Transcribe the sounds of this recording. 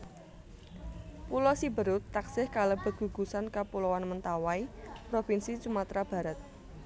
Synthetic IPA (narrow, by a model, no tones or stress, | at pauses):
pulɔsibəɾʊt̪ːaksɪhkaləb̥ə̤t̪̚ɡ̥ṳɡ̥usankapulowanmənt̪awaipɾofinsit͡ʃumat̪ɾab̥a̤ɾat̪̚